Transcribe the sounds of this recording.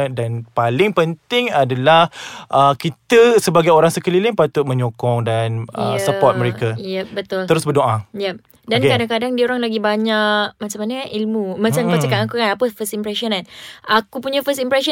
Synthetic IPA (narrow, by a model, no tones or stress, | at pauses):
danpalɪŋpənt̪ɪŋadalahʔəkit̪əsəbaɡajoɾaŋsəkəlilɪnpat̪ʊt̪̚mə̃ɲokɔŋdanə̰səpɔt̪̚məɾekajɛp̚bət̪ʊləɾʊsbərdoʔajɛp̚ | dankkadaŋkadaŋdioɾaŋlaɡibaɲaʔkmat͡ʃamanəʔilmumat͡ʃamkat͡ʃakanakukanapəfəstimpɾɛsɔnanakupuɲəfəstimpɾɛsɔ